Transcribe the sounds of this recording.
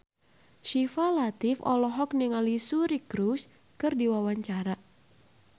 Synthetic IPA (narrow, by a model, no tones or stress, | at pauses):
ʃifalat̪ɪfɔ̰lɔɦɔk̚niŋalisuɾikɾus | kɨrdiwawaɲt͡ʃaɾa